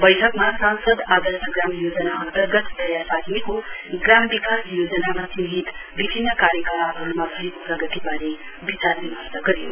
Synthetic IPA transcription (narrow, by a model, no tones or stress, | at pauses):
bʌjʈʰʌkmasansʌd̪ad̪ʌsnʌɡramjod͡zʌnaʌnt̪ərɡʌt̪tʌjapad̪mikoɡrambikasjod͡zʌnamat͡sinɦit̪bibʱinːʌkaɾjəkəmaɦʌlumabʱʌekoprʌɡʌt̪ibaɾe | bit͡sard̪imasaɡʌɾijo̰